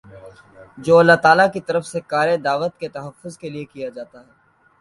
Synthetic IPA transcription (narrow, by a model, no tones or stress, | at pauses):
d͡ʒoːɐlːaɦt̪aːlakit̪ɐɾəfsekaːɾed̪aːʋət̪ket̪ɐɦəfːʊzkeliekijad͡ʒaːt̪aɦɛː